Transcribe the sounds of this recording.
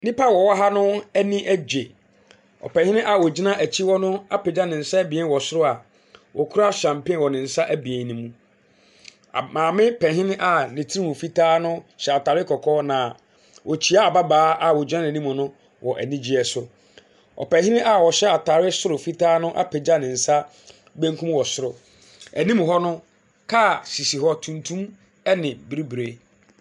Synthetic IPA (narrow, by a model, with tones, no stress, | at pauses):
nɪ̃˦pa˦˨wɔ˨wɔ˦ɦa˦nʊ̃˦æ˦nĩ˦ʔæ˦d͡ʑe˨ | ɔ̰˨pɛ̃˨hɪ̃˦nɪ̃˦ʔa˨wɔ˨d͡ʑi˦nã˦æ˨t͡ɕʰi˦wɔ˦nʊ̃˦a˦pe˨d͡ʑa˦nɪ̃˨n̩˨sa˦æ˦bi˨e˦n˦wɔ˨sʊ˦ɾʊ˦a˨ | wʔɔ˨kʰu˦ɾa˦ɕã˨m˨pɪ̃˦wɔ˨nɪ̃˨n̩˨sa˦ʔæ˦bi˨e˨n˦nɪ̃˨˦mũ˦˨ | mãː˨mɪ̃˦pʰɛ̃˨ɦɪ̃˦nɪ̃˦ʔa˨nɪ̃˨tʰi˦i˦mũ˨fi˦tʰaː˦nʊ̃˦ɕɛ˨a˨tʰaː˨ɾɪ˦kʰɔ˨kʰɔː˦nã˨ | wʔɔ˨t͡ɕʰi˨˦a˦a˨ba˦baː˦a˨wɔ˨d͡ʑᶣã˦ñ˨nĩ˦mʊ̃˨nʊ̃˦ | wʔɔ˨ʔæ̰˨nĩ˦d͡ʑi˦ɛ˨sʊ˦ | ɔ̰˨pɛ̃˨ɦɪ̃˦nɪ̃˦ʔa˦˨wɔ˨ɕɛ˦a˨tʰa˨ɾɪ˦sʊ˦ɾʊ˨fi˦tʰaː˦nʊ̃˦ʔa̰˦pʰɛ˨d͡ʑa˦nɪ̃˨n̩˨sa˦ | bæ̃˦ŋ˦kʰũ˦mwɔ˨sʊ˦ɾʊ˨ | æ˨nĩ˦m˨ɦɔ˦nʊ̃˦ | kʰa˦˨si˨si˨ɦɔ˦tʰũ˨ntʰũ˦m | ɛ˦nɪ̃˨bɾi˦bɾe˨